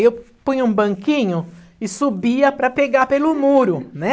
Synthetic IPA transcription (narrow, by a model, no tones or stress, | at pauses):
ewpũjɲũbɐ̃ŋkĩɲʊ | ɪsubiɐpɾɐpeɡapelʊmuɾʊnɛ